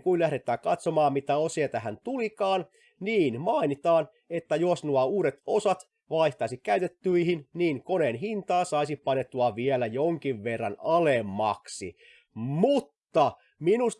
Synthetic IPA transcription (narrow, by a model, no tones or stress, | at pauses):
kuilæhɾet̪ːˑæːkɑt̪somɑːmmit̪æosiet̪æɦænt̪ulikɑːn | niːnmɑinit̪ɑːn | et̪ːæjosnuɑuːɾet̪osɑt̪ | ʋɑiht̪ɑisikæyt̪et̪ːyihinniːŋkoneːnɦint̪ɑːsɑisipɑnːet̪ːuɑʋielæjoŋkiʋʋerːɑ̰nɑlemːɑ̰ksḭ | mut̪ːɑ | minus